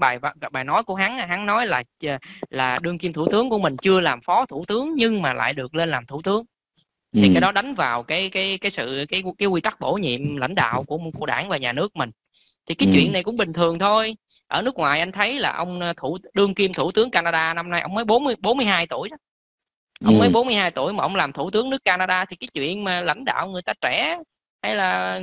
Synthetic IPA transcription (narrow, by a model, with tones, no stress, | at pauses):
ɓaː˨˩jvɓaː˨˩jnɔ˨˦jku˧˩əɦa˨˦ŋː˧˩ɦa˨˦ŋnɔ˨˦jlaː˨˩˨laː˨˩ɗɨ˧əŋki˧mt̪ʰu˧˩t̪ɨ˨˦əŋku˧˩əmï˨˩ŋ̟t͡ɕɨ˧əlaː˨˩mfɔ˨˦t̪ʰu˧˩t̪ɨ˨˦əŋɲɨ˧ŋmaː˨˩la̰ː˧˨jɗɨ˨˩ək̚le˧nlaː˨˩mt̪ʰu˧˩t̪ɨ˨˦əŋ | t̪ʰi˨˩kaː˨˦jɗɔ˨˦ɗa˨˦jŋ̟vaː˨˩wkaː˨˦jkaː˨˦jkaː˨˦jsɨ̰˧˨kaː˨˦jkaː˨˦jkwi˧t̪a˦˥k̚ɓo̰˧˩ɲḭ˧˨əmla̰˧˥jŋ̟ɗa̰ː˧˨wku˧˩ə˨˩kṵ˧˩ə˩ɗa̰ː˧˩ŋvaː˨˩ɲaː˨˩nɨ˦˥ək̚mï˨˩ŋ̟ | t̪ʰi˨˩kaː˨˦jt͡ɕwḭ˧˨ənːa˨˩jkʊ̰˧˥ŋ͡mɓï˨˩ŋ̟t̪ʰɨ˨˩əŋt̪ʰo˧j | ʔəː˧˩nɨ˦˥ək̚ŋwaː˨˩jʔa˧jŋ̟t̪ʰə˨˦jla̰ː˨˩ʔə˧wŋ͡mt̪ʰu˧˩ɗɨ˧əŋki˧mt̪ʰu˧˩t̪ɨ˨˦əŋkaː˧naː˧ɗaː˧na˧mna˧jʔə̰˧wŋ͡mmə˨˦jɓo˨˦nmɨ˧jɓo˨˦nmɨ˧əjhaː˧jt̪u˧˩əjɗ | ʔə̰˧wŋ͡mmə˨˦jɓo˨˦nmɨ˧jhaː˧jt̪ṵ˧˩əjmaː˨˩ʔə˧wŋ͡mlaː˨˩mt̪ʰu˧˩t̪ɨ˨˦əŋnɨ˦˥əkːaː˧naː˧ɗaː˧t̪ʰi˨˩kaː˨˦jt͡ɕwḭ˧˨ənmaː˨˩la̰˧˩jŋ̟ɗa̰ː˧˨wŋɨ˨˩əjt̪aː˧t͡ɕɛ˧˩ | ha˧˦jlaː˨˩